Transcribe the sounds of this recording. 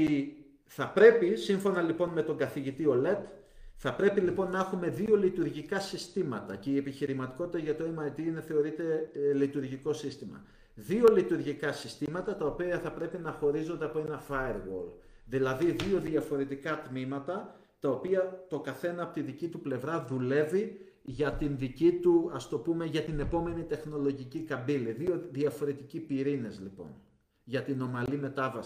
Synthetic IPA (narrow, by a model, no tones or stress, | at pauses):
i | θɐpɾe̞pisiɱfo̞nɐlipo̞nme̞t̪o̞ŋɡɐθiʝit̪io̞le̞t̪ | θɐpɾe̞pilipo̞nːɐexume̞ðio̞lit̪uɾʝikɐsist̪imɐt̪ɐce̞ie̞piçiɾimɐt̪i̥ko̞t̪it̪ɐʝɐt̪oemɐjd̪iine̞θe̞o̞ɾit̪e̞lit̪uɾʝiko̞sist̪imɐ̰ | ðio̞lit̪uɾʝikɐsist̪imɐt̪ɐt̪ɐo̞piɐθɐpɾe̞pinɐxo̞ɾizo̞nd̪e̞ɐpoe̞nɐfɐjɾɣo̰l | ðilɐðiðio̞ðiɐfo̞ɾe̞t̪ikɐt̪mimɐt̪ɐ | t̪ɐo̞piɐt̪o̞kɐθe̞nɐɐpo̞t̪iðicit̪uple̞vɾɐðule̞vi | ʝɐt̪inðicit̪uɐst̪o̞pume̞ʝɐt̪ine̞po̞me̞nit̪e̞xno̞lo̞ʝicikɐmbiliðio̞ðiɐfo̞ɾe̞t̪icipiɾinezlipo̞̰n | ʝɐt̪ino̞mɐlime̞t̪ɐvɐsi̥